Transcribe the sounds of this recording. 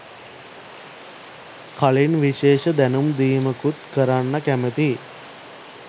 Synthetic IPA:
kʰaɭinʋiʃeːʃəd̪ænumd̪iːməkut̪kəɾanːəkæmət̪i

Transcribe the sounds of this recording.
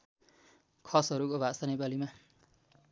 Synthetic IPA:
kʰʌsɦʌɾukobʱasʌnepalima

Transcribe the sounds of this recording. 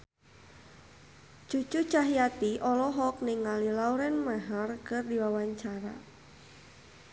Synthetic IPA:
t͡ʃut͡ʃut͡ʃaɦijat̪iʔɔlɔɦɔk̚niŋalilauɾɛnmaɦarkɨrdiwawaɲt͡ʃaɾa̰

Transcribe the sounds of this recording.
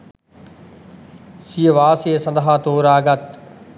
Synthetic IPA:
siːəʋaːsesɐ̃nd̪aɦaːt̪oːɾaːɡɐt̪̚

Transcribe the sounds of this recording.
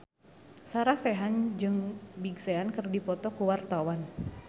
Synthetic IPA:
saɾasɛɦand͡ʒɨŋbiɡsɛankɨrdipɔt̪ɔkuwart̪awan

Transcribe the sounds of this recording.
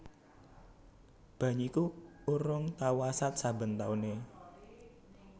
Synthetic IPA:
b̥a̤ɲuikuuɾʊŋt̪awasat̪̚sabə̤nt̪aune

